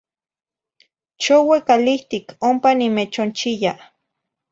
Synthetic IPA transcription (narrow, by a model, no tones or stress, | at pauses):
t͡ʃowekaliht̪ikʰompanimet͡ʃont͡ʃija